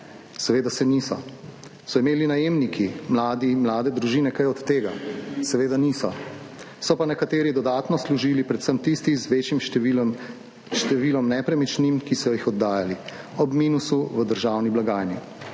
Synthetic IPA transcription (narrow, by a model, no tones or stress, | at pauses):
sɛʋeːd̪asɛnisɔ | sɔimeːlinajeːmnikʰimlaːd̪imlaːd̪ɛd̪ɾuʒiːnɛkajɔt̪ːeːɡa̰sɛʋeːd̪aniːsɔ | sɔpanɛkat̪eːɾid̪ɔd̪aːt̪nɔsluʒiːlipɾɛt̪səmt̪ist̪izʋeːt͡ʃjim | ʃt̪ɛʋiːlɔmnɛpɾɛmit͡ʃnimkisɔjɔjixɔd̪ːaːjali | ɔbmiːnusuʋəd̪əɾʒaːwniblaɡaːjni